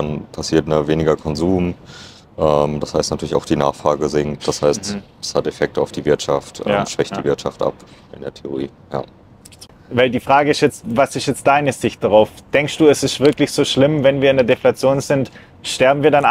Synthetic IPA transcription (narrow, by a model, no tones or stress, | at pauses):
danpʰasiːɐt̚naveːnɪɡɐkʰɔnzuːm | ʔɛːmd̥ashaɪstnatʰyɐlɪçaʊxd̥iːna̰ːχfʁ̥aːɡəzɪŋt̚d̥ashaɪst | ɛ̥shatefɛk̚təaʊfd̥iːvɪɐtʃaftʔɛ̰mʃv̥ɛçtddiːvɪɐtʃa̰ftʔa̰pʔɪ̰ndeːɐtʰeo̰ʁ̞iː | ja̰ː | vaɪldiːfʁ̥aːɡəɪstjɛt͡stvasɪstjɛt͡st̚d̥aɪnəzɪçt̚d̥aʁaʊfd̥ɛŋkstd̥uːɛsɪstv̥ɪɐklɪçz̥oːʃlɪmvɛnviːɐɪndeɐdeflat͡sjoːnzɪnt | ʃtɛɐbm̩viːɐdan